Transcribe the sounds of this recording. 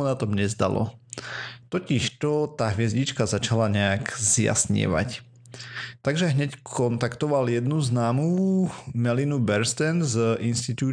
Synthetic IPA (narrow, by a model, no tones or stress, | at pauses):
unat̪ɔmɲɛzd̪a̰lɔ̰ | t̪ɔciʃt̪ɔt̪aɦʋɪɛzɟit͡ʃkazat͡ʃalaɲɛaɡzja̰sɲɪ̰ʋa̰c | t̪aɡʒɛɦɲɛckʰɔnt̪akt̪ɔʋaljɛd̪nuznaːmumɛlinubɛɾst̪ɛnzʔinst̪it̪uː